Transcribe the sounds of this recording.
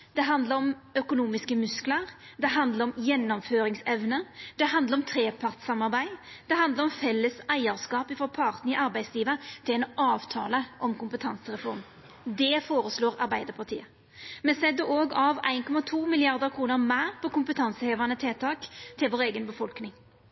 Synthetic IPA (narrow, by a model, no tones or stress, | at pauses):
d̪̥ɛɦɑnd̪ləɾɔmœkʊnuːmɪskəmʉskləɾ | d̪ɛɦɑnd̪ləɾɔmjɛnːɔmføːɾɪŋsɛʋnəd̪̥ɛɦɑnd̪ləɾɔmt̪ʰɾeːpʰɑʁt̪sɑmɑʁbæɪ | d̪̥ɛɦɑnd̪ləɾɔmfɛlːəsæɪəɾskɑːpɪfɔpʰɑʁt̪nəɪʔɑɾbæɪsliːʋət̪ʰɪlɛɪnʔɑːʋt̪ʰɑːləʔɔmkʊmpət̪ʰɑnsəʁɛfɔɾm | d̪ɛfoːɾəsloːɾɑɾbæɪd̪əɾpʰɑʁt̪ʰḭːə | mɛsɛd̪əoːɡɑʋæ̰ɪnkʰɔmɑt̪ʰuːmɪlɪɑʁd̪əɾkʰʁuːnəɾmæɪʁpʰɔkʊmpət̪ʰɑnsəheːʋɑnət̪ʰeːt̪ʰɑːkt̪ʰɪlʋoːɾeːɡənbəfɔlknɪŋ